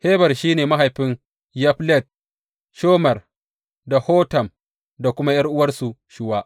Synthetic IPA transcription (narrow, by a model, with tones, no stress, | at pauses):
heː˦bɐ˨rʃiː˦neː˨ma˦ɦa˨jɸɪ˦n | jɐ˦ɸlɛ˦˨t̚ | ʃoː˦mɐ˨r | da˨hoː˦tɐ˨m | da˨kʷʊ˦ma˦jɐ˦rʔʊ˦wɐ˦rsu˨ʃɪ˦waː˦ʔ